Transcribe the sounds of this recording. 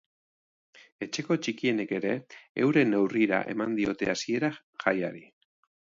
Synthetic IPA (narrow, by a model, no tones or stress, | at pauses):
e̞t͡ʃe̞ko̞t͡ʃikie̞ne̞ke̞ɾe̞e̞wɾe̞ne̞wriɾa̰ʔe̞̰mand̪io̞t̪e̞asie̞ɾa | xajaɾi